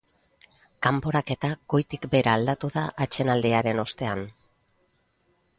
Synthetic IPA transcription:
kampo̞ɾake̞t̪aɡ̥o̞jt̪ikbe̞ɾaːld̪at̪uðaʔat͡ʃe̞nald̪iaɾe̞no̞st̪e̞an

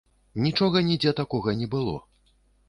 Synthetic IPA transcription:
nʲit͡ʂɔɣɐnʲid͡zʲɛt̪akɔɣɐnʲɛbɨlˠɔ̰

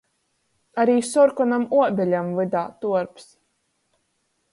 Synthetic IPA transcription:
aɾiːsɔɾkɔnamuɔbʲɛlʲamvɨd̪aːt̪uɔɾps

